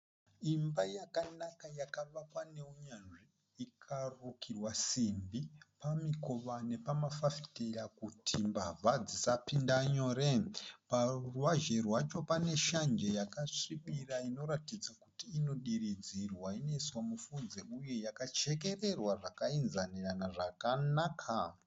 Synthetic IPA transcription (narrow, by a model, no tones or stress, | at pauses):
imbajakanakajakaʋakwane̞uɲanʐiː | kʰarukʰirwasimbipamiko̞ʋane̞pamafafi̥tejakutʰimbavʱad͡zisapindaɲo̞ːɾeparuwaʒe̞rwat͡ʃo̞pane̞ʃand͡ʒe̞jakaʂiɓiraino̞ɾatid͡zakutiːno̞ɗirid͡zirwaine̞swamufud͡zeuje̞jakat͡ʃe̞ke̞re̞rwaʐakainzaniranaʐakanakʰa